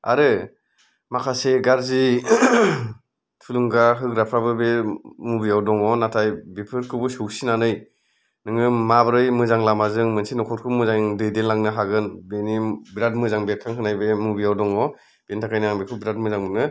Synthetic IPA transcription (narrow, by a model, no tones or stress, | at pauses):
a̰ɾɯ | makʰaseɡaɾzi | tʰuluŋɡaɦɯkɾapʰɾabɯbemubijawdɔŋɔnatʰajbipʰɯɾkʰɯbɯsɯwsinanɯj | nɯŋɯmabɾɯjmɯzaŋlamazɯŋmɯnsinɔkʰɔt̚kʰɯmɯzaŋdɯjdelaŋnɯɦaɡɯnbenibiɾat̚mɯzaŋbiakʰaŋkʰɯnajbemubijawdɔŋɔ | b̥entʰakʰajnaŋbikʰubiɾat̚mɯzaŋbɯnɯ